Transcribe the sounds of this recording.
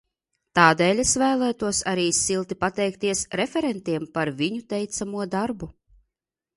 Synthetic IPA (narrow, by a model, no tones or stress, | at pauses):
t̪aːd̪ɛːlʲesvæːlˠæːt̪uɔsaɾiːsilˠt̪ipat̪ɛjk̚t̪iɛsɾefʲɛɾɛnt̪iɛmpaɾviɲut̪ɛjt̪samuɔd̪aɾbu